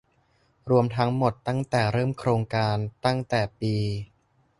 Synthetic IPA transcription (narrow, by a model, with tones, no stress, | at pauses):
ɾu˧əmt̪ʰa˦˥ŋmo˨˩t̪ːa˥˩ŋt̪ɛː˨˩ɾɤː˥˩mkʰɾoː˧ŋkaː˧nt̪a˥˩ŋt̪ɛː˨˩piː˧